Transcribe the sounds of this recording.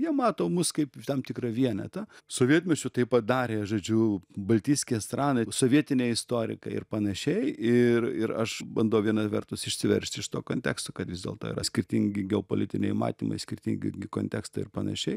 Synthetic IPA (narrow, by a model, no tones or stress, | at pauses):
jiɛmɑːt̪oːmʊskɐɪpt̪ɐmt̪ʲɪkɾɐʋʲiɛnʲɛ̰t̪ɐsoːʋʲiɛt̪ʲmʲɛt͡ʃʲʊt̪ɐɪppɐt̪̚d̪ɑːɾʲeːʒoːd͡ʒʲʊbɐlʲt̪ʲiːsʲkʲest̪ɾɑːnɐsoːʋʲiɛt̪ʲɪnʲeːɪst̪oːɾʲɪ̰kɐ̰ɪ̰ɾpɐnɐʃʲɛɪɪrɪɾɐʃbɐnd̪oɐʊʋʲiɛnɐsʋʲɛrt̪ʊsɪʃʲsʲɪʋʲɛ̰ɾʲʃʲt̪ʲɪʃt̪oːkoːnʲt̪ʲæ̰ːkst̪oːkɐt̪ʋʲɪzdʲḛːlˠt̪oːɪ̰ɾɐsʲkʲɪɾʲt̪ʲɪŋʲɡʲɪɡʲɛopo̰lʲɪt̪ʲɪnʲɛ̰ɪmɑ̰ːt̪ʲiːmɐ̰ɪsʲkʲɪɾʲt̪ʲɪŋʲɡʲɪ̰ɡʲɪko̰ːnʲt̪ʲæ̰ːkst̪ɐɪɾpɐnɐ̰ʃʲɛɪ